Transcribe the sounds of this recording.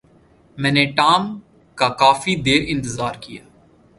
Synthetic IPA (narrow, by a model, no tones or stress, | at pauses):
mɛ̃ːneʈaːm | kakaːfid̪eːɾɪ̃nt̪ɪzaːɾkijaː